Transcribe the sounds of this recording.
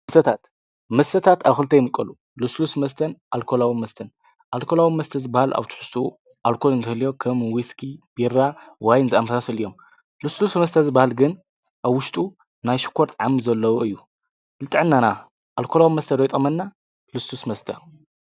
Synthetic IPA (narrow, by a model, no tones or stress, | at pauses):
mɐst̪ʰɐt̪ʰat̪ | mɐst̪ʰɐt̪ʰat̪ʰaβxɨlt̪ʰɐjmɨkʼːɐlu | luslusmɐst̪ʰɐnʔalkʰo̞lawimɐst̪ʰɐn | ʔalkʰolawimɐst̪ʰɐzɨbahalʔa̰βt̪ʰɨ̥ħʊ̥st̪ʼṵ | ʔalkʰo̞lɨnt̪ʰɐhɨljo̞kʰɐmwiskʰib̥irawajnzɨamɐsasɐlijom | luslusmɐst̪ʰɐzɨbahalɡɨn | ʔaβwʊʃt̪ʼu | najʃɪ̥kʰːoɾt̪ʼʕamizɐlːɐwoɨjːu | lɨt̪ʼɨʕɨnːana | ʔalkʰolawimɐst̪ʰɐɾojt̪ʼɐmɐnːa | lust̪usmɐst̪ʰɐ